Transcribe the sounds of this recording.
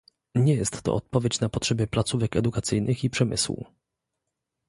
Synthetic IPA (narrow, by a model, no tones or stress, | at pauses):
ɲɛjɛst̪ːɔ̰ɔt̪̚pɔvʲjet͡ɕnapɔtʂɛbʲɛplat̪suvɛkɛd̪ukat̪sɘjnɘxipʂɛmɘ̰swṵ